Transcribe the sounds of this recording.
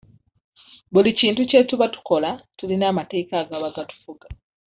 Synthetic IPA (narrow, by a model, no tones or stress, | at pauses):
βuliciːntucetuβatu̥ko̞latulinaːmate̞ːkaːɡaβaɡatu̥fuɡa